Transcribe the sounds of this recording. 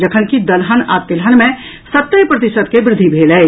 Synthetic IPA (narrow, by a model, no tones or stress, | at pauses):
d͡ʒəkʰənkid̪əlɦənat̪ilɦənmẽ | sət̪ːəjpɾət̪isət̪kebɾɪd̪ʱːibʱelɛ